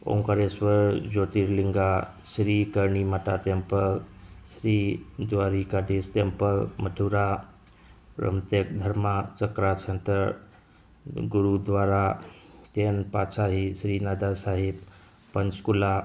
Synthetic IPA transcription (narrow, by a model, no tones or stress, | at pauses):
o̰ŋkaɾesʋəɾd͡ʑot̪iːɾliŋɡa | ɕɾikəɾɳimaʈaʈempəlsɾiːd̪ʋaɾikad̪isʈ̪empəlməʈʰuɾa | ɾə̰mt̪ek̚d̪ʱəɾmat͡səkɾat͡ʃʰənt̪ə | ɡuɾud̪ʋaɾat̪enpasaɦisɾiːnad̪asaɦib | pənt͡skula